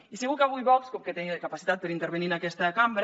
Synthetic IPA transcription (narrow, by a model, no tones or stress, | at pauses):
iseɣukaβujβɔkskoket̪ɛkapasit̪at̪̚peɾint̪eɾβeniɾnakɛst̪akambɾ